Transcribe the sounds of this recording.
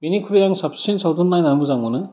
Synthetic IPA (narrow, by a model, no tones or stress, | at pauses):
binikʰuɾijaŋsɐpssinsawdunːajnamuzaŋmɯnɯ